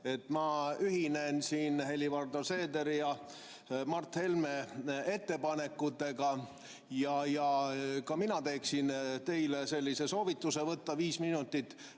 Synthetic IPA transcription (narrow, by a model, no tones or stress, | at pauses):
e̞t̪ːmɑyɦinensiːnhe̞lʲivɑrd̪ose̞ːd̪e̞ɾijɑ | mɑrt̪he̞lme̞e̞t̪ːe̞pɑne̞kːˑut̪ːˑe̞ɡɑ | jɑjɑkɑminɑt̪e̞ːksint̪e̞jlese̞lʲːise̞so̞ːvit̪ːˑuse̞vɤt̪ːɑviːsminut̪ːˑit̪ːˑ